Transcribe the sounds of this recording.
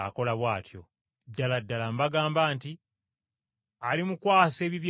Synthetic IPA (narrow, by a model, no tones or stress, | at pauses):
a̰ko̞laβwaːtʰjo̞̰ | dːaladːalambaɡaːmbaːnti | alimukwaːse̞ːβiβj